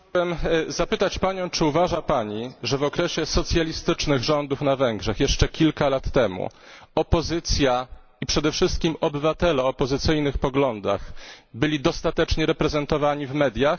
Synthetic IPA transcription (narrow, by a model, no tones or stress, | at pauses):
ɛmzapɘt̪at͡ɕpaɲɔ̃w̃t͡ʂɘuvaʐapaɲiʐɛvɔkɾɛɕɛsɔt̪sʲjalʲist̪ɘt͡ʂnɘɣʐɔnd̪ufnavɛŋɡʐɛxjɛʂt͡ʂɛkʲilkalat̪ːɛmṵ | ɔpɔzɘt̪sʲja | ipʂɛd̪ɛfʂɘst̪̚kʲimɔbɘvat̪ɛlɛɔːpɔzɘt̪sɘjnɘxpɔɡlɔnd̪a̰xbɘlʲid̪ɔst̪at̪ɛt͡ʂɲɛɾɛpɾɛzɛnt̪ɔvaɲivmɛd̪ʲjax